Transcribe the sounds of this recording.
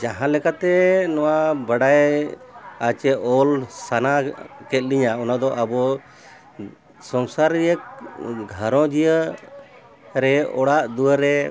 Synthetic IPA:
d͡ʒaɦãlɛkat̪ɛnɔwabaɖaj | at͡ʃɛɔlsanakɛt̪̚liɲaɔnad̪ɔʔabɔ | sɔŋsaɾjək̚ɡʱəɾɔ̃d͡ʒijə | ɾɛɔɽaʔd̪uwəɾɛ

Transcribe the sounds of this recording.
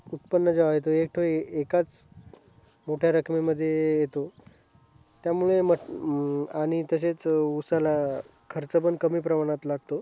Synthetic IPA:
ut̪̚pənːəd͡zaʋajet̪oek̚ʈʰoekat͡s | moʈʰjaɾəkʰmiməd̪ʱːjejet̪o | t̪jamuɭemə | aɽ̃it̪əs̬et͡susala | kʰəɾt͡səpənkəmiːpɾəmaɽ̃at̪laɡ̚t̪o

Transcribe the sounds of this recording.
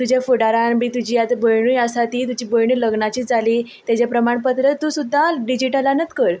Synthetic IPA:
t̪ud͡ʑafuɽaɾanmiːt̪ud͡ʑiːjat̪bəjɳ̃ujəsat̪iːt̪ud͡ʑiːbəjɳuːləɡɳat͡ɕiːd͡zʱaliː | t̪jat͡ɕapɾəmaɳpət̪ɾət̪ːuːsud̪ʱːaɖid͡ʑiʈəlanət̪kəɾ

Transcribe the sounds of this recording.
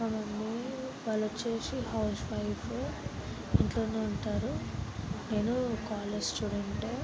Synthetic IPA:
ɐmɐnːi | ʋaːlːɐt͡ʃːe̞ːsihɐwsʋɐjpʰ | iɳʈlo̞ːneːuɳʈaːɾu | ne̞ːnukaːled͡ʒsʈuːɽeɳʈe

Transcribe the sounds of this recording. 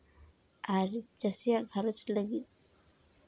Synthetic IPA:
aɾd͡ʒəsijaɡʱaɾot͡ʃləɡit̪

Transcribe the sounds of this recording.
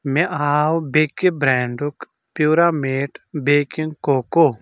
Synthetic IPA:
mẽʔaːwbeːkːebɾɛːɳɖuk | pjuːɾaːmeːʈbeːkĩŋkoːkoː

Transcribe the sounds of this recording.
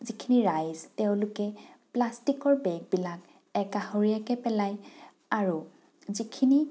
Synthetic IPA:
zikʰiniɹajzteʊ̃lʊkɛplastikɔɹbɛɡ̚bilak | ɛkahoɹijakɛpɛlaj | aɹu | zikʰini

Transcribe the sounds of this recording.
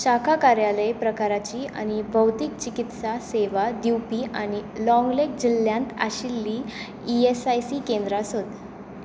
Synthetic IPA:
ɕakʰakaɾjaləjpɾəkaɾat͡ɕiːʔa̰ñibʱəwt̪ik̚t͡ɕikit̪saseʋad̪iwpiːʔañilɔ̃ŋɡlek̚d͡ʑilːjãnt̪a̰ɕilːiː | iesajsiːkend̪ɾasot̪

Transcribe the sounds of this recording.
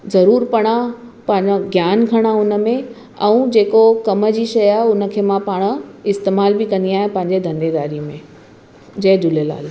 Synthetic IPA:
zɐɾuːɾpɐɽ̃apɐ̃ɦɪ̃ɲd͡ʑaɡjaːnɡʱɐɽ̃aʊnə̆mẽ | ɛ̃ũd͡ʑeːkokɐmə̆d͡ʑiːʃɐjaːɦeʊnə̆kʰeːmãpaːɽ̃̆ɪst̪eːmaːlbɪkɐ̃nd̪iaːɦɪ̃pɐ̃ɦɪ̃ɲd͡ʑed̪ʱɐ̃nd̪eːd̪aːɾimẽ | d͡ʑɐɦdʊlela̰ːl

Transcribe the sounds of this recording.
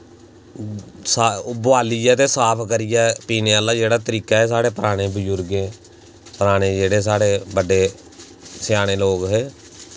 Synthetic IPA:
sabʊaːliːɛːt̪eːsaːpʰkəɾɪjɛːpiːneːəlːaːd͡ʒeːɽaːt̪əɾiːkaːɛːs̬aːɽeːpəɾaːɽ̃ẽːbəd͡ʒʊɾɡẽː | pəɾaːɽ̃ẽːd͡ʒeːɽeːs̬aːɽeːbəɖeː | sɪjaːɽ̃eːloːkɦeː

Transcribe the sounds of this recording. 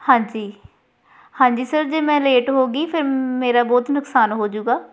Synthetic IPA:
hãːɲd͡ʒiː | hãːɲd͡ʒiːsəɾd͡ʒeːmɛ̃ːleːʈɦoːɡiːpʰɪɾmeːɾaːbɔːt̪nʊksaːnɦoːd͡ʒuːɡaː

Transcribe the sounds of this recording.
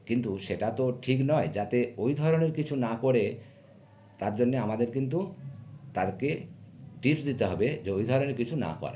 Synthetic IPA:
kint̪uʃeʈat̪oʈʰiknɔed͡ʑat̪eojd̪ʱɔɾoneɾkit͡ɕʰunakoɽe | t̪aɾd͡ʑonːeamad̪eɾkint̪̬ut̪aɾkeʈipsd̪it̪eɦɔbed͡ʑeojd̪ʱɔɾoneɾkit͡ɕʰuna̰kɔ̰ɾa̰

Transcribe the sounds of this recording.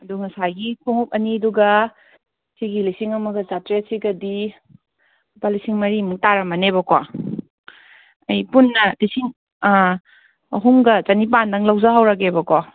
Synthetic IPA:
ɐduŋɐsaɡipʰuŋup̚ɐniɐduɡɐ | siɡilisiŋɐmɐɡɐzatɾesiɡɐdi | balisiŋmɐɾimuk̚taɾɐmɐnebɐkwa | ɐjpunːɐlisiŋ | ɦuŋɡɐt͡ʃɐnip̬andɐŋlawzaɦawɾɐk̬ebɐka

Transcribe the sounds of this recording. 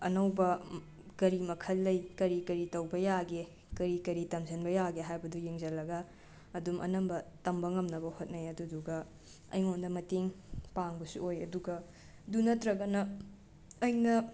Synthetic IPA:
ɐ̰nɐwbɐ | kɐɾimɐkʰɐlːɐjkɐɾikɐɾitɐwbɐjaɡe | kɐɾikɐɾitɐmzɐnbɐjaɡeɦajbɐdujeŋzɐlːɐɡɐː | dumʔɐ̰nɐmbɐtɐmbɐŋɐmnɐbɐhot̚nɐjɐduduɡɐ | ɐ̰jŋondɐmɐteŋpaŋbɐsṵojɐ̰duɡɐ | dunɐtɾɐɡɐnɐː | jnɐ

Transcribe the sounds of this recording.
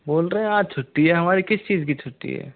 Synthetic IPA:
boːlɾəɦɛ̃aːt͡ʃʰʊʈːiɦɛɦɐmaːɾikɪst͡ʃiːzkit͡ʃʰʊʈːḭɦɛ̰ː

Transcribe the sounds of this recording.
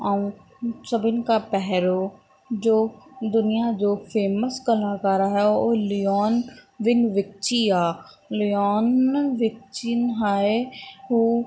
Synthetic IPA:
aːũ | sɐbɪnkapɛɦɾo | d͡ʒoːd̪ʊnijad͡ʒoːfeːməskɐlakaːɾaɦɛoːliɔːnʋɪ̃ŋɡʋɪk̚t͡ʃiaː | liɔːnʋɪk̚t͡ʃinɦaːeɦuː

